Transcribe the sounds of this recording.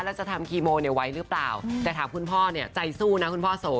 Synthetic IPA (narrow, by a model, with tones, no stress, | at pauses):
lɛː˦˥wt͡ɕa˨˩t̪ʰa˧mkʰiː˧moː˧ni˥˩wa˦˥jɾɯ˦˥plaː˨˩wt̪ɛː˨˩t̪ʰaː˩˦mkʰu˧npʰɔː˥˩ni˥˩ɐt͡ɕa˧jsuː˥˩na˦˥kʰu˧npʰɔː˥˩soː˨˩˦